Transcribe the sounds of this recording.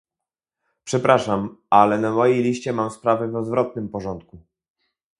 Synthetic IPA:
pʂɛpɾaʂamalɛnamɔjejlʲiɕt͡ɕɛmamspɾavɘvɔd̪vɾɔt̪nɘmpɔʐɔnt̪̚ku

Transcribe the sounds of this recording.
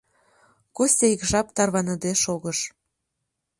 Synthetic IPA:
kosʲejikʒɑp̚t̪ɑrβɑnəd̪eʃoɣəʃ

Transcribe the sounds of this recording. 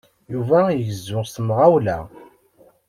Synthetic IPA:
juvæjəʝzːʊʁsəmʁawlæ̰

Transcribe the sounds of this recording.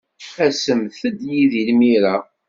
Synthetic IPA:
æsəmθəd̪jiðilmiɾa

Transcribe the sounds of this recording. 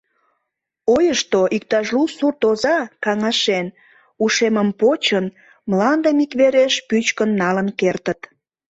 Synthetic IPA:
ojəʃt̪oʔik̚t̪ɑʒlusurt̪ozɑkɑŋɑʃen | uʃeməmpot͡ɕən | mlɑnd̪əmikβeɾeʃpyt͡ɕkənːɑlənkert̪ət̪

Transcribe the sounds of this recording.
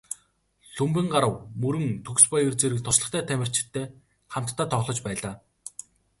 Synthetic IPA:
ɬɵmpɘ̆ŋɢaɾə̆wmɵɾɘ̆ŋt̪ʰɵkspɔjirt͡seɾɘ̆k̚t̪ʰʊt͡ɕɮə̆χt̪ʰæːt̪ʰæmʲɪ̆r̥t͡ɕɪ̥̆t̪ʰːeː | χam̥t̪ʰːaːt̪ʰɔʁɮɞ̆t͡ɕpæːɮaː

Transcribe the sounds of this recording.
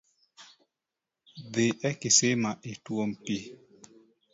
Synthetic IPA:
d̪ɪʔɛkɪsemaʔɪtwompi

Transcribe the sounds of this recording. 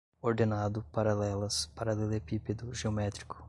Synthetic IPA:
oɾd̪enad̪ʊpaɾalɛlɐspaɾɐlelepiped̪ʊʒeomɛt̪ɾikʊ̥

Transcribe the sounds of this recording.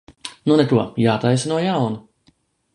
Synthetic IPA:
nunɛt̪uɔjaːt̪ajsinuɔjawnu

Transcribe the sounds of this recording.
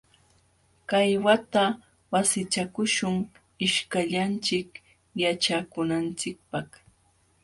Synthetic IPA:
kajwat̪a | wasɪt͡ʃakʊʃʊŋ | ɪʃkaʎant͡ʃɪk | jat͡ʃakʊnant͡sɪk̚paχ

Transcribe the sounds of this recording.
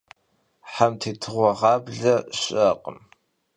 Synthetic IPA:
ħamtʰiːtʰɨʁʷɔʁɑːbɮɐɕʼɐqʼə̰m

